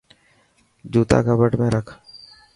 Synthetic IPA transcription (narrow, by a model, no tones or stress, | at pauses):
d͡ʒuːt̪a̰ːkaːbəʈmẽːɾəkʰ